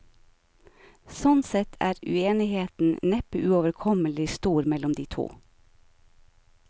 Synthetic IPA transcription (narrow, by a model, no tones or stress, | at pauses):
sɔnsɛt̪ʰæ̰ːɾʉ̰eːnɪheːt̪n̩nɛpəʔʉoːʋəɾkʰɔməlɪst̪uːɾmɛlɔmd̪iːt̪ʰṵː